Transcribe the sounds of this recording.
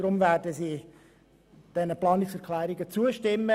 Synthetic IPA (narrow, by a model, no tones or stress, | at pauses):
ɾʊmvæːdəziː | d̥ɛnəplɑːnɪksɛɾkʰlæːɾɪɡət͡suəʃtɪmːə